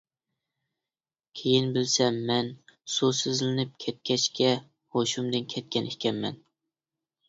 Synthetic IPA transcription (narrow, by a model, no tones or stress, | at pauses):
kʲʰejinbɪlsɛmːɛnsusɪzlɪnɪp̚kʲʰɛt̪̚kʲʰɛt͡ʃkʲɛ | hoʃumd̪ɨnkʲʰɛt̪̚kʲɛnihkʲɛmmɛ̰n